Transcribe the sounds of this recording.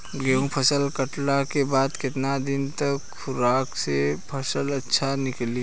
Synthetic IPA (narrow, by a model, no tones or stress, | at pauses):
ɡeũpʰəsəlkəʈlakebaːd̪kɪt̪nad̪ɪnt̪ɐkxʰʊɾaːksepʰəsəlɐtːʃʰanɪkli